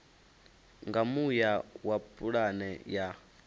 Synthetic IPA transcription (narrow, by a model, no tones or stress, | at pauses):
ŋɡamujawapʼuɺanɛja